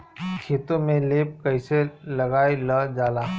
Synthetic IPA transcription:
kʰeːt̪õmẽleːp̚kɐɪselɐɡaːiləd͡ʒaːlaː

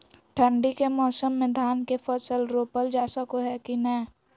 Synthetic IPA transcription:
ʈʰə̃ɳɖikemɔːsəmːɪ̃d̪ʱaːnkefəsəlɾoːpəld͡ʒaːsəkoɦɛkinɛː

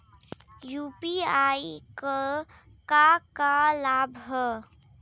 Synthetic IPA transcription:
juːpiaːikə | kakalaːbʱɦɛ

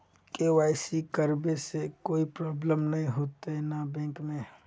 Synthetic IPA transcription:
kewaːɪsikəɾbesekoːipɾɔːbləmnɐɦĩɦoːt̪eɦɛnabɛ̃ːŋkmẽ

